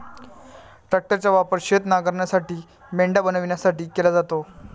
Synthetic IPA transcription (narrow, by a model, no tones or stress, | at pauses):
ʈɾak̚ʈəɾt͡ɕjaʋapəɾɕet̪naɡəɾɳjasaʈiː | meɳɖabənəʋiɳjasaʈiːkelad͡zat̪o